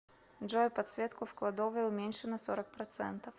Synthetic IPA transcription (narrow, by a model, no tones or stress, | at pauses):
ʐojpɐt̪svʲet̪kʊfklˠɐd̪ovəʊmʲenʲʂɨnəsoɾək̚pɾɐt̪sɛ̰nt̪əf